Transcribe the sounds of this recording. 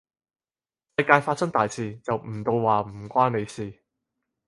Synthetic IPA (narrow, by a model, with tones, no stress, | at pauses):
sɐ˧jkaː˧jfaː˧t̚sɐ˥ŋt̪aː˨jt͡sʰiː˧t͡sɐ˨wm̩˨˩t̪o˧wwaː˨˩m̩˨˩kʷaː˥nne˨˧jsiː˨˩